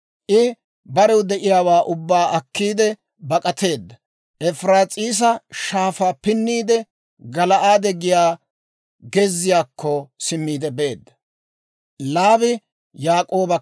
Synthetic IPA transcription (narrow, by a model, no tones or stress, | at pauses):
ʔɪ | bɐɾɛwd̪ɛʔɪjaːwaːʔʊbːaːɐkːiːd̪ɛ | bɐkʼɐt̪e̞ːd̪ːɐ | ʔɛfɾaːt͡sʼiːs̬ɐʃaːfaːpɪnːiːd̪ɛ | ɡɐlɐʔaːd̪ɛɡɪjaː | ɡɛzːɪjaːkʰːɔsɪmːiːd̪ɛbe̞ːd̪ːɐ | laːbɪ | jaːkʼoːbɐ